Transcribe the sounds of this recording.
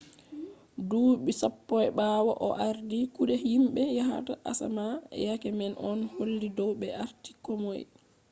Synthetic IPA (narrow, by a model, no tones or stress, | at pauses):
duɓisapːɔjɓaːwa̰ʔɔʔaɾdikuɗɛhimɓɛjaɦa̰taʔa̰samaɛ̰jakɛmɛnʔɔnholːidɔwɓɛaɾti̥kɔmɔj